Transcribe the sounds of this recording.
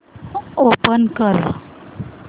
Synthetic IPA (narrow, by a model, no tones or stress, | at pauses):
opənkəɾ̰